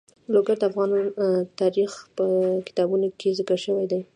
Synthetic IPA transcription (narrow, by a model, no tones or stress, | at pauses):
loɡaɾd̪əafɣɑnt̪ɑɾixpəkɪ̥t̪ɑbunokʰezəkəɾʃəwajd̪aj